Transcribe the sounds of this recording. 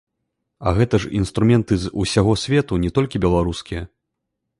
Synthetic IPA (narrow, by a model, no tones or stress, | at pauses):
ɐ̰ɣɛt̪ɐʂinst̪ɾumʲɛnt̪ɨzusʲaɣɔsʲvʲɛt̪unʲɛt̪ɔlʲkʲibʲɛlˠaɾuskʲijɐ